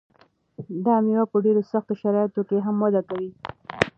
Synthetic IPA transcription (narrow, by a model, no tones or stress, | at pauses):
d̪ɑmiwapəɖeɾosaxt̪oʃaɾɑjɪt̪okeɦamwad̪akawi